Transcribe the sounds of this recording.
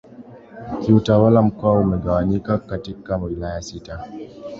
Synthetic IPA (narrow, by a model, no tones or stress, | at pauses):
kiutawalamkaumɛɡawanikakːatikːamwilaːjasita